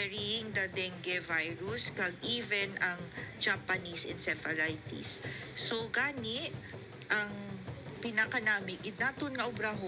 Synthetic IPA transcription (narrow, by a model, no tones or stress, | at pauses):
ɛɹiɪŋd̪ɐd̪ɛŋɡɛvajɹuskɐɡʔiːvɛnɐŋd͡ʒapɐnisɪ̰nsɛfɐlajt̪ḭsː | oɡaːnɪʔ | ʔɐŋpɪnɐkɐnaːmɪɪd̪̚nat̪onŋɐʔʊbɾaɦo